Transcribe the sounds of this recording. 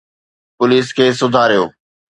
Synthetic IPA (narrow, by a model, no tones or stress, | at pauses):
pʊliːskʰeːsʊd̪ʱaːɾijo̰ː